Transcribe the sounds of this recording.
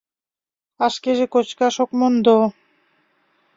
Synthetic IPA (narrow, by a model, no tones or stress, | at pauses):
aʃkeʒekot͡ɕkaʃokmond̪o